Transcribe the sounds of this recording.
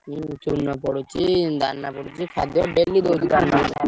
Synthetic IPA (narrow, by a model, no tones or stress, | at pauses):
it͡ʃunːɔpɔɽut͡ʃid̪anːapɔɽut͡ʃikʰad̪jɔɖelːid̪owd̪ik̪ana